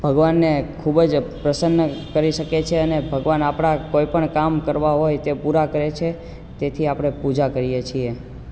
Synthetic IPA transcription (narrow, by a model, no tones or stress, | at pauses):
b̥ʱəɡʋanːekʰubd͡ʒpɾəsənːəkəɾiʃəket͡ʃʰeənebʱəɡʋanapɽ̃akoipəɳkamkəɾʋaɦojt̪epuɾakəɾet͡ʃʰe | t̪et̪ʰiapɽ̃epud͡ʒakəɾijet͡ʃʰie